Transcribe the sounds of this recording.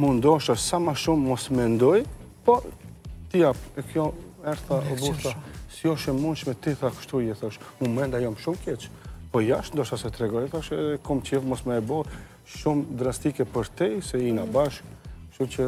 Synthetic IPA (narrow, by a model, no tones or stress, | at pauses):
mund̪ɔʃasamaʃumːɔsmɛnd̪ɔj | pɔt̪ijapɛkjɔ | ɛɾθaɔbuʃt̪asiɔʃɛmunʃmɛt̪iθakə̥ʃt̪ujɛθɔʃmumɛnd̪ajɔmʃumkɛt͡ʃpɔjaʃnd̪ɔʃt̪asɛt̪ɾɛɡɔjθaʃɛðɛkɔmt͡ʃɛfmɔsmɛɛbɔ | ʃumd̪ɾast̪ikɛpəɾt̪isɛinabaʃkʃumt͡ʃə